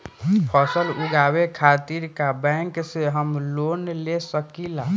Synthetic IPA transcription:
pʰɔsəlʊɡaːwekʰaːt̪iɾkabɛ̃ːŋkseɦəmloːnlesəkila

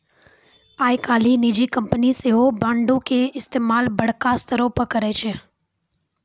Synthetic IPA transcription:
aːjkaːlinid͡ʒikɐ̃mpəniseɦobãːɳɖõkeɪst̪eːmaːlbɐɽ̤kast̪ʰəɾoːpəkɐɾet͡ʃʰe

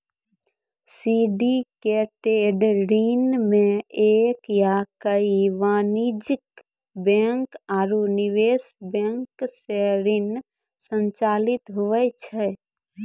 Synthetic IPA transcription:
siɖikeʈeɖɾinmẽekjakəiʋanid͡ʒik | bɛŋkaɾuniʋesbeŋkseɾin | sənt͡ʃalit̪ɦuʋɛt͡ʃʰɛ

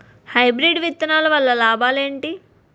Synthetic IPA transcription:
hɐjbɾiɖʋit̪ːɐnaːlɐʋɐlːɐlaːbaːleːɳʈi

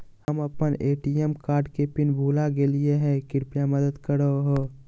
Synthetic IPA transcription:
həmɐpəneːʈijemkaːɾɖkepɪnbʱuːlaɡelieɦɛ̃kɪɾpjamɐd̪əd̪kəɾəɦoː

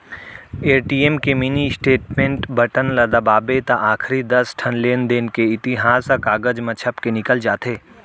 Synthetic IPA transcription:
eːɾʈiːeːmkeminisʈeːʈmẽɳʈbəʈənlad̪abaːbet̪aʔaːkʰɾid̪ɐsʈʰɐnleːnd̪ɪnkeɪt̪ɪɦaːsakaːɡəd͡ʒmɐt͡ʃʰəpkenɪkəld͡ʒaːt̪eː

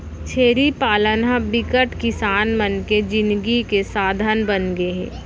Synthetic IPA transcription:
t͡ʃʰeːɾipaːlənabɪkəʈkɪsaːnmənked͡ʒɪ̃nd̪ɡikesaːd̪ʱənbənɡeɦɛ̰̃ː

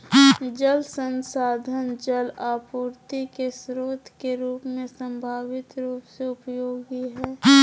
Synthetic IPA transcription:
d͡ʒəlsənsaːd̪ʱənd͡ʒəlaːpuːɾt̪ikesɾoːt̪ʰkeɾuːpmẽsə̃mbʱaːʋɪt̪ɾuːpseʊpjoːɡiɦɛː

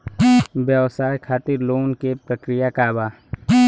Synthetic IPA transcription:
bjəʋsaːjkʰaːt̪ɪɾloːnkepɾəkɾɪjakaːbaː

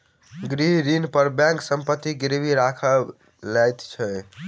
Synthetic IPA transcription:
ɡɾiɦɾinpəɾbɛ̃ŋksəmpət̪ːiɡiɾbʱiɾakʰə | lɛjt̪t͡ʃʰɛ

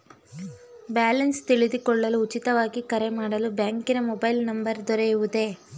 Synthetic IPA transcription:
baːlɐnst̪iɭid̪ikɔɭːɐluːt͡ʃit̪ɐʋaːɡikɐɾemaːɽɐlubjaːŋkinɐmɔbɐjlnɐmbɐɾd̪ɔɾejuʋud̪e̞

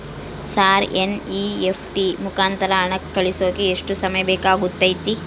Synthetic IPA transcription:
saːɾeniepʰʈimukaːnt̪ɐɾɐːɳɐkːɐɭisoːkeːʂʈusɐmɐjɐbɛːkaːɡut̪ːɐjt̪i

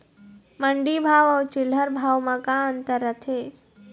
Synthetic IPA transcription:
məɳɖibʱaːʋɔwt͡ʃɪləɾbʱaːwmãkãənt̪əɾːət̪ʰeː

